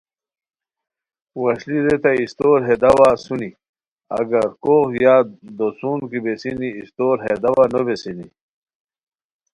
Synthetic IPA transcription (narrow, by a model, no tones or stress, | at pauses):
wɐɕliɾet̪aist̪oɾɦed̪ɐwasuni | ɐ̰ɡɐɾkoxjaːd̪osuːnkibesiniːst̪oːɾɦed̪awanobesinḭ